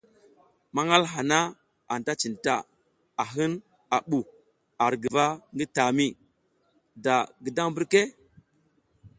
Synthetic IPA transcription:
ma˦ŋa˦lɦa˨na˦ | a˨n˨ta˦t͡ʃi˨nta˦˨ | a˨ɦɨ˦n | a˨ɓu˨ | a˨ɾɡi˨va˦ŋɡi˦ta˨mi˦ | da˨ɡi˨da˦ŋbi˦ɾke˦

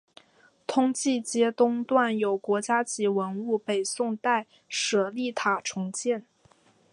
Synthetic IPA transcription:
t̪ʰʊ˥ŋt͡ɕi˥˩t͡ɕjɛ˥t̪ʊ˥ŋt̪wa˥˩njo˨˩ʊkwɔ˧˥t͡ɕja˥t͡ɕi˧˥wə˧˥nu˥˩pe˨˩ɪsʊ˥˧ŋt̪a˥˩ɪ | ʂɤ˨˩li˥˩t̪ʰa˨˩ʈ͡ʂʰʊ˧˥ŋt͡ɕjɛ˥˩n

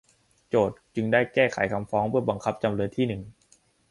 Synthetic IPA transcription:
t͡ɕoː˨˩t̪̚t͡ɕɯ˧ŋdaː˥˩jkɛː˥˩kʰa̰˩˦jkʰa˧mfɔː˦˥ŋpʰɯ˥˩ɐba˧ŋkʰa˦˥p̚t͡ɕa˧mɾɯː˧nt̪ʰiː˥˩nɯ˨˩ŋ

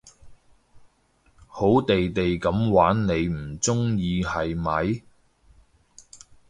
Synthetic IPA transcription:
ho˨˥wt̪e˨jt̪e˨jkɐ˨˧˥mwaː˨˥nne˨˧jm̩˨˩t͡sʊ˥ŋjiː˧hɐ˨jmɐ˨˥j

